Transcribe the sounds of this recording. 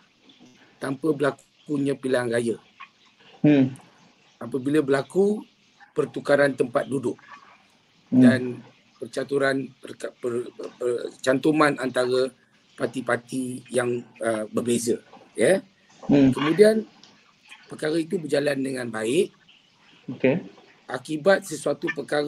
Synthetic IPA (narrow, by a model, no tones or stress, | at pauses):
t̪ampəbəlak | kuɲãpilaŋrajə | apəbiləbəlaku | pərt̪ukaɾant̪əmpat̪̚dudʊk̚ | dan | pərt͡ʃat̪uɾanəpərət͡ʃant̪umanant̪aɾə | pat̪ipat̪ijaŋəbərbezəjə | kəmũdian | pəkaɾait̪̬ubərd͡ʒalandəŋãnbaɪʔ | oke | ʔakibat̪̚səsuat̪upəkaɾ